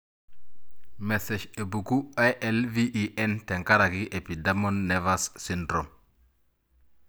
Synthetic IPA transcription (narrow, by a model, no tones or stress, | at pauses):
meseʃebukuajʔɛlviʔiʔɛnteŋkaɾaɡiʔepidamonːevasːindɾom